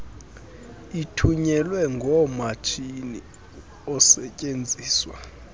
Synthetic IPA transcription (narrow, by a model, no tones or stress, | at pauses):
itʰuɲɛlwɛŋɡʱɔmat͡ʃʰini | ɔsɛcʼend͡zʱiːswa̰